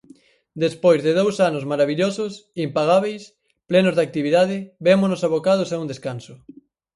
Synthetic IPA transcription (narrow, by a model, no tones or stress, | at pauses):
d̪espojzðeðowsanʊzmaɾaβiʎosʊsimpaɣ̞aβ̞ejs | plɛnozðak̚t̪iβiðað̞ɪbemonosaβokað̞osaund̪eskansʊ